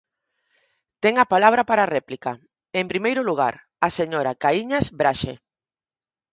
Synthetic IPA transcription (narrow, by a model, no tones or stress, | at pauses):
t̪ɛŋɐpalaβ̞ɾapaɾarɛplika | empɾimejɾʊluɣ̞a̰ɾ | aseɲoɾakaiɲasbɾaʃḛ